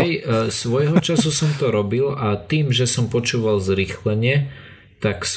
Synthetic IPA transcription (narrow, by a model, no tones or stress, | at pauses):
jsʋɔjɦɔt͡ʃasusɔmt̪ɔɾɔbilat̪iːmʒɛsɔmpɔt͡ʃuːʋalzɾiːxlɛɲɛ | t̪aks